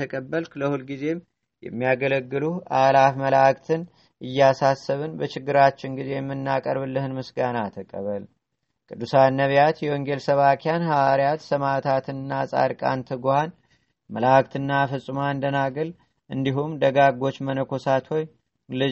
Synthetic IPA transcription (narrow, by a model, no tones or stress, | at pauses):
əkʼəbːəlkʰɨləhulɡize̞m | jɛ̰mːijaɡələɡːɨlualafməlakt̪ʰɨn | ʔɨjːasasːəβɨnbət͡ʃɪɡːɨɾat͡ʃːɪnɡize̞jɛmːɨnːakʼəɾβɨlːɨhɨnmɨsɡanat̪ʰəkʼə̰βəl | kʼɨd̪ːusanːəβjat̪jɛwɔŋɡe̞lsəβakʰjanhawaɾjat̪səmat̪ʰat̪ʰɨnːasʼa̰ɾkʼa̰nt̪ʰɨɡohan | məlakt̪ɨnːafɨsʼɨmand̪ənaɡɨl | ʔɨnd̪iɦumd̪əɡaɡo̞t͡ʃːmənəkʰo̞sat̪ʰo̞j | lɨ